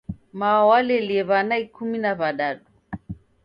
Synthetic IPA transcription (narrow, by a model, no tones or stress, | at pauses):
maawalɛɛliɛβanaikuminaβaɗaɗu